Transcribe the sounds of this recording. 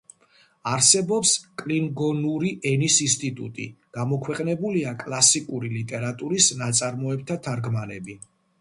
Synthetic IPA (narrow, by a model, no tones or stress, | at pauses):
aɾsɛbɔpskʼliŋɡɔnuɾiʔɛnisinst̪ʼit̪ʼṵt̪ʼḭɡ̥amɔkʰwɛqʼnɛbuliakʼlˠasikʼuɾilit̪ʼɛɾat̪ʼuɾisnat̪sʼaɾmɔɛb̚t̪ʰat̪ʰaɾɡmanɛbi